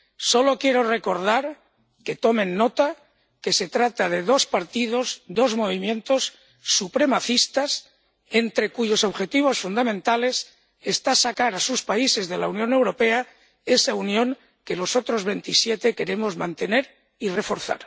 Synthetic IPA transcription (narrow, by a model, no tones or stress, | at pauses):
so̞lo̞kje̞ɾo̞re̞ko̞ɾðaɾ | ke̞t̪o̞mẽ̞nːo̞t̪a | ke̞se̞t̪ɾat̪aðe̞ðo̞spaɾt̪ið̞o̞zd̪o̞zmo̞β̞imjẽ̞nt̪o̞sː | upɾe̞maθist̪as | e̞nt̪ɾe̞kuʝo̞so̞βxe̞t̪iβ̞o̞sfund̪amẽnt̪ale̞s | est̪asakaɾasuspaise̞zðe̞launjõ̞ne̞wɾo̞pe̞a | e̞saunjõ̞ŋ | ke̞lo̞so̞t̪ɾo̞zβe̞nt̪isje̞t̪e̞ke̞ɾe̞mo̞zmãnt̪e̞ne̞ɾ | ire̞fo̞ɾθa̰ɾ